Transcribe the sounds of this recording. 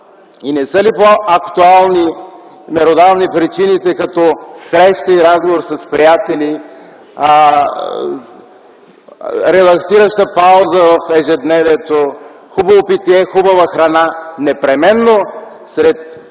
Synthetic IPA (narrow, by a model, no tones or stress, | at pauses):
inɛsəlipoɐkt̪ualˠni | mɛɾod̪alnipɾit͡ʃinit̪ɛkɐt̪ɔsɾɛʃt̪əiɾazɡovoɾsɐspɾijat̪ɛli | ɾɛlˠɐksiɾəʃt̪əpawzəvɐfɛʒɛd̪nɛvɛt̪o | xubɐvopit̪iɛxubɐvəxɾɐnanɛpɾɛmɛnːo | sɾɛt̪̚